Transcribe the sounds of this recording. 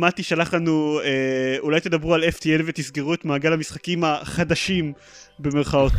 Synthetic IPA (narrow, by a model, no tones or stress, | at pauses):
mat̪iʃalaχlanueulajt̪ed̪abʁualeft̪ielvet̪isɡeʁuet̪maːɡalamisχakimaχad̪aʃim | be̞me̞ʁχao̞t̪